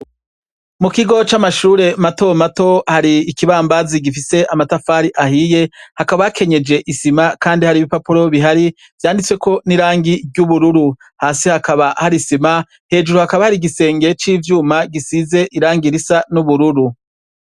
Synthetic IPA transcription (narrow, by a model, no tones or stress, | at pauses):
mukiɡo̞t͡ʃamaʃuːɾe̞mato̞mato̞haɾiːkiβaːmbaziɡifise̞ʔamatafaːɾiʔahije̞hakaβajkʰe̞ɲe̞d͡ʒe̞ʔisimakaːndihaɾiβipapuɾo̞βiɦaɾi | vjaːndit͡swe̞ko̞niɾaːŋɡiɟuβuɾuɾu | haːsihakaβahaɾisima | he̞ːd͡ʒuɾuhakaβahaɾiɡise̞ːŋɡe̞t͡ʃiːvjuːmaɡisize̞ʔiɾaːŋɡiɾisanuβuɾuɾu